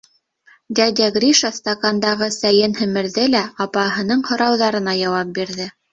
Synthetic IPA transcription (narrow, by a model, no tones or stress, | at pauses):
d̪ʲæd̪ʲæɡɾʲiʃɑst̪akɑnd̪ɑʁɤsæjɘnhɘ̆mɘ̆ɾðɘlæɑpɑɦɤ̆nɤɴhŏɾɑwðɑɾɤ̆nɑjɑwɑp̚biɾðɘ